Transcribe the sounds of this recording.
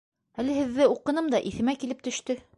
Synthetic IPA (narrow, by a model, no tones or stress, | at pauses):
ælɘ̆hɘ̆ðːɘuqɤ̆nɤmd̪ɑʔiθɘ̆mækilɘp̚t̪ɵ̆ʃt̪ɘ